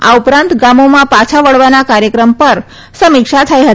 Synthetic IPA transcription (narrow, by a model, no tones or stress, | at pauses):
a̰upɾãnt̪ɡamomãpat͡ʃʰaʋəɭʋanakaɾjəkɾəmpəɾ | səmɪkʂat̪ʰajɦə